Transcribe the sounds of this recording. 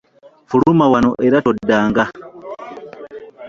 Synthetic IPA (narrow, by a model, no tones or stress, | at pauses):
fuɾumawanoʔeɾatodːaːŋɡa